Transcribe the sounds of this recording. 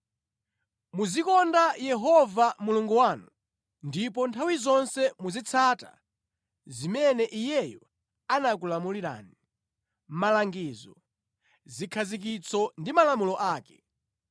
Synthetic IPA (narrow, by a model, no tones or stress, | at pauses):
muzikɔndajɛɦɔvamuluŋɡuwaːnu | ndip̬ɔntʰawizɔnsɛmuzit͡sʰata̰ | zimɛnɛʔijɛjɔ | anak̬ulamuliɾa̰ːni | m̩malaŋɡiːzɔ | zikʰazik̬it͡sʰɔndimalamulɔʔaːkɛ